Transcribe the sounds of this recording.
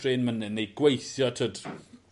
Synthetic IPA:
reːnmənɪnejɡ̥wejθjɔtʰəd

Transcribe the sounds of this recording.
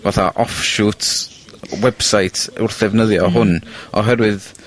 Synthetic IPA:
vaθa̰ʔɔfʃutʰ | wɛb̥sajtʰʊrθɛvnəðjɔɦʊnɔɦɛɾwɨð

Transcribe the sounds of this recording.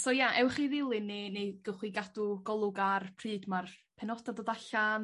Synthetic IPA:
soːjaʔɛwχiðɪlˠɨnːeneɡ̥əχwiɡadʊɡɔlˠʊɡarpʰrɨːdmarpʰɛnɔdadoːdaɬan

